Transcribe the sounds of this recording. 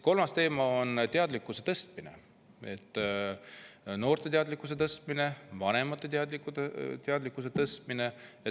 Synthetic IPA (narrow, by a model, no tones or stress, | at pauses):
ko̞lmɑst̪e̞ːmɑont̪eɑd̪likːˑuse̞̥t̪ɤst̪mine̞̰ | e̞t̪ˑː | no̞ːrt̪e̞t̪eɑd̪likːˑus̬e̞t̪ɤst̪mine̞vɑne̞mɑt̪ːˑet̪ɑd̪likːut̪eɑd̪likːˑus̬e̞t̪ɤst̪mine̞ | e